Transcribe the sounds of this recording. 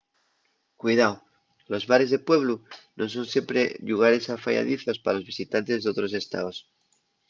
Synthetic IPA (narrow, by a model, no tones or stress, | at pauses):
kwujðaw | lo̞zβaɾe̞zðepwe̞β̞lunʔo̞s̬o̞nsje̞mpɾeʎuɣ̞aɾe̞safa̰ja̰ð̞iθospaalo̞zβisit̪ant̪e̞zðot̪ɾo̞se̞st̪a̰os